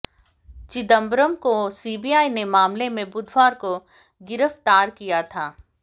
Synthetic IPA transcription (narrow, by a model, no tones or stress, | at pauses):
t͡ʃɪd̪ə̃mbɾəmkosiːbijaːinemaːmlemẽbʊd̪ʱwaːɾko | ɡɪɾəft̪aːɾkijat̪ʰaː